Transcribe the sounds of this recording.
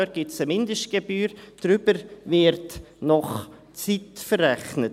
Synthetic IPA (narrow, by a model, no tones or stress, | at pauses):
øɾɡ̥ɪsəmɪndəʃtɡ̥ebyːɾd̥ɾʏbəɾvɪɾt | nɔχ | t͡sitfəɾːɛχnət